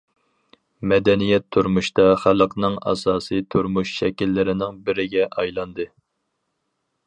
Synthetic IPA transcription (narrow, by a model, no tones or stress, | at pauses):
mɛd̪ɛnijɛt̪ʰːuɾmuʃt̪ɑχælˠəqnɨŋɑ̰sɑːsɨt̪ʰuɾmuʃʃɛkʲilːɪɾɪnɪŋbɪɾɪɡʲɛʔɑjlˠɑnd̪ɨ